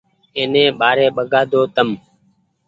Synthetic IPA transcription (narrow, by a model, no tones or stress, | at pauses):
eːnẽːɓaːɾeːɓəɡaːd̪ʱoːt̪əm